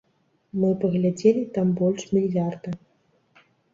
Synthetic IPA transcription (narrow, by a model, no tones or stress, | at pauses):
mɨpɐɣlʲad͡zʲelʲit̪ambɔlʲʂmʲilʲjard̪ɐ